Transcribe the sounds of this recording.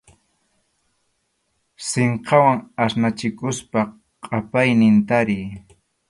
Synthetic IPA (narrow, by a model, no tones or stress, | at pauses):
seɴqɑwaŋasnat͡ʃɪkʊspa | qʼapajnɪnt̪aɾɪj